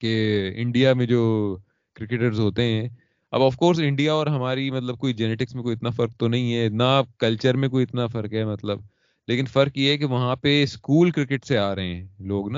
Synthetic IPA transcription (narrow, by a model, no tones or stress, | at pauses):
keɪ̰̃ɳɖijamẽd͡ʒoː | kɾɪkeʈəɾzɦoːt̪eɦɛ̃ː | ɐ̰bɔfkoːɾs̬ɪ̃ɳɖijaɔːɾɦɐmaːɾimɐt̪ləb̚koːid͡ʒɛneːʈɪksmẽkoːiɪt̪nafɐɾk̚t̪onɐɦĩɦɛːnakɐlt͡ʃəɾmẽkoːiɪt̪nafɐɾkɦɛːmɐt̪ləb̚ | leːkɪnfɐɾkjeɦɛk̬eʋɐɦãpeskuːlkɾɪkɪʈseaːɾɐɦɛ̃ːloːɡnaː